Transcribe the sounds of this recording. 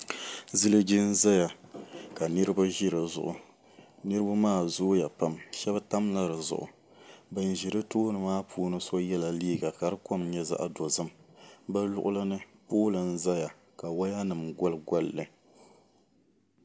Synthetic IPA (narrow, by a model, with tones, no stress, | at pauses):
zɨ˦lɨ˦ɡi˦n̩˦za˦ja˨ka˨nɨ˦ɾɨ˦ba˦ʒi˦ɾɨ˨zʊ̰˨ʔʊ˨ | nɨ˦ɾɨ˦ba˦maː˦˨zʊ˦ja˨pa˦mʃɛ˦ba˦ta˦mla˦ɾɨ˨zʊ̰˨ʔʊ̰˨ | bɨ˨n˨ʒi˨ɾɨ˦toː˦nɨ˨maː˦pʰuː˦nɨ˦so˦jɛ˦la˨liː˦ɡa˨ka˨ɾɨ˦ko˦mɲɛ˦za̰˦ʔa˦do˨zɨ˦mba˦lʊ̰˦ʔʊ˦la˦nɨ˦poː˦lɨ˨n̩˦za˦ja˨ | ka˨wa˦ja˦nɨ˨mɡɔ˦lɡa˦lːɨ˨